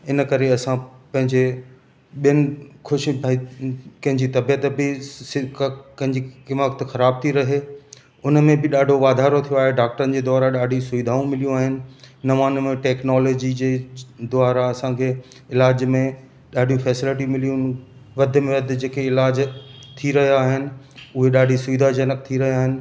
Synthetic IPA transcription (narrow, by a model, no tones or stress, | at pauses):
ɪnəkɐɾeɐsãpɐ̃ɦɪ̃ɲd͡ʑe | ɓijənɪ̆kʊʃbʱaikɐ̃ɦɪ̃ɲd͡ʑit̪ɐbijət̪bɪsɪkkɐ̃ɦɪ̃ɲd͡ʑikɪməkt̪xɐɾaːb̚t̪ʰiɾɐɦeː | ʊnəmẽbɪɗaːɖʱoʋaːd̪ʱaːɾot̪ʰijoaːɦeɖaːk̚ʈəɾənɪd͡ʑeːd̪ɔːɾaɗaːɖʱĩsʊʋid̪ʱaːũmɪlijũaːɦɪnɪ̆nɐʋaːnmẽʈɛːknɔːloːd͡ʑid͡ʑeːd̪ʊaːɾaɐsãkʰeː | ɪlaːd͡ʑmẽ | ɗaːɖʱijũfɛːsɪlɪʈ̬imɪlijũ | ʋɐd̪ʱmẽʋɐd̪ʱɪd͡ʑeːkeɪlaːd͡ʑt̪ʰiɾɐɦijaːɦɪnɪ̆ | ʊɦeɗaːɖʱisʊʋid̪ʱad͡ʑɐnək̚t̪ʰiɾɐɦijaːɦɪnɪ̆